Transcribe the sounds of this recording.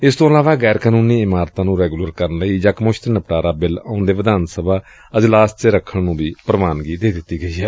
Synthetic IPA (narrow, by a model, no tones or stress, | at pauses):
ɪst̪õːəlaːʋãːɡɛːɾkaːnuːniːɪmaːɾt̪ãːnũːɾɛːɡuːləɾkəɾənləiːd͡ʒaːkmʊʃt̪nəpʈaːɾaːbɪlã̰ːnd̪eːʋɪd̪aːnsəbʱaː | əd͡ʒlaːst͡ʃeɾəkʰːəɳnũːbiːpɾəmaːnɡiːd̪eːd̪ɪt̪ːiːɡəiːɦɛː